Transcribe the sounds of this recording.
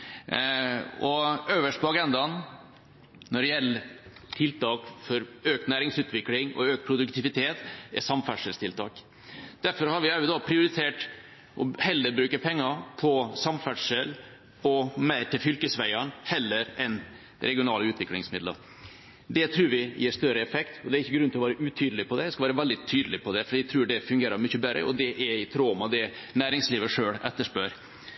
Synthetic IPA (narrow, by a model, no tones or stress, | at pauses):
ɔøːʋəʂʈ̚pɔɑɡɛnd̪ɑn | nɔɖɛjɛlːət̪ʰɪlt̪ʰɑːkfɔɾøːkt̪næːɾɪŋsʉːt̪ʰʋɪklɪŋɔ̰øːk̚t̪pʰɾʊd̪ʉkt̪ʰɪʋɪt̪ʰeːt̪ɛsɑmfæʈʂəlst̪ɪlt̪ʰɑ̰ːk | d̪̥æɾfɔɾhɑɾʋɪæjɪd̪ɑpʰɾɪʊɾɪt̪ʰeːʈ | ʔɔhɛlːəbɾʉːkəpʰɛŋːɑpʰɔsɑmfæʈʂəl | ɔmæɪɾt̪ɪlfʏlkəsʋæɪɑnhɛlːəɾɛn | ɾɛɡɪʊnɑːlʉːt̪ʰʋɪklɪŋsmɪd̪lə̰ | d̪ɛt̪ʰɾʉːɾʋɪjiːʂt̪œɾəɛfɛkt̪ɔd̪ɛæɾɪçːəɡɾʉnɪlɔʋːɾəʔʉt̪ʰyːd̪lɪpʰɔd̪ɛd̪ɛskɑlʋːɾəʋɛld̪ɪt̪ʰyːd̪əlɪpʰɔd̪ɛfɔɖiːt̪ʰɾʉːɖɛfʉŋɡeːɾɑɾmʏçːəbɛɾʔə̰ʔɔ̰d̪ɛʔɛɪt̪ʰɾoːmɑd̪ɛnæːɾɪŋsliːʋəʂøːɭɛt̪ːəʂpøːɾ